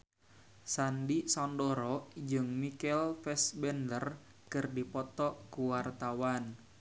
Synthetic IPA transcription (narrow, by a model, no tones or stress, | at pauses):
sandisɔndɔɾɔd͡ʒɨŋmikɛlfɛsbɛndər | kɨrdipɔt̪ɔkuwart̪awan